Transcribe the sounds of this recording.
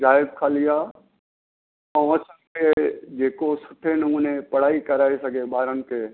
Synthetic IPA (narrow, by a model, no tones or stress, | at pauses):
zaːɪb̚kʰaːlijaː | ɐ̃ɐsənɪ̆kʰed͡ʒeːkosʊ̥ʈʰenɐmuːnepɐɽ̤aːikɐɾaːesɐɡʱeɓaːɾənɪ̆kʰeː